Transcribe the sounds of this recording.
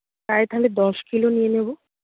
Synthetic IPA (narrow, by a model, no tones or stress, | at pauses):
aet̪ʰaled̪ɔʃkilonijenebo